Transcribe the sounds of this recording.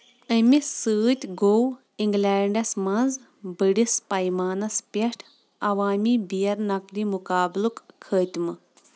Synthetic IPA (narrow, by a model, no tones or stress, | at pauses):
əmisɨːt̪ʲɡow | iŋɡlɛːɳɖɐsmɐnz | bɨɖispɐjmaːnɐspʲeɐʈʰ | ɐʋaːmiːbijɐɾnɐklimukaːblukkʰːəːt̪ʲmɨ